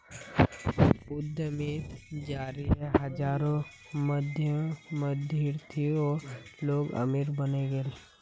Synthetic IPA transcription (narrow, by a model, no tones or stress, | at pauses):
ʊd̪ʱːəmid͡ʒaːɾiɦɛɦɐd͡ʒaːɾõ | məd̪ʱjəməd̪ʱiɾt̪ʰioːɾloːɡɐ̰miɾbəneɡel